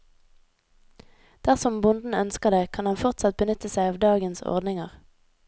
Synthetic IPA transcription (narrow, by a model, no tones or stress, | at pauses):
d̪̥æʁsɔmbʊnd̪n̩œnskəʁd̪eːkʰɑnɑnfɔʁt̪sɑt̪̚bənʏt̪əsæɪɑːʋd̪ɑːɡənsɔ̰ʁd̪nɪŋəʁ